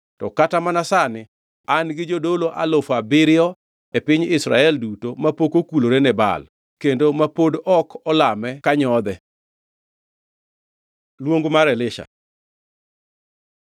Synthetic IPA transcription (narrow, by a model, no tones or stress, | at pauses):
tɔkatamanasanɪ | anɡɪd͡ʒodoloʔalofabɪɾɪɔ | epɪɲɪsɾa̰ɛldutomapokokuloɾenɛba̰l | kendomapodɔkʰɔlamɛkaɲɔd̪ɛ | lwoŋɡmaɾɛlɪʃa̰